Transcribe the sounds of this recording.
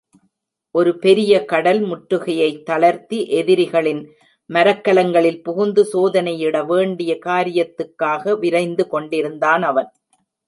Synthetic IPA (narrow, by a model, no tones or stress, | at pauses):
ʔɔɾɯpɛɾɪjɐkɐɽɐlmʊʈɾɯɣɐjɐɪt̪ːɐɭɐɾt̪ːiʔɛðɪɾɪɣɐɭɪn | mɐɾɐkːɐlɐŋɡɐɭɪlpʊɣʊnd̪ɯsoːðɐnɐjɪɽɐʋeːɳɖɪjɐkaːɾɪjɐt̪ːɯkːaːɣɐʋɪɾɐɪnd̪ɯkɔɳɖɪɾɯnd̪aːnɐʋɐn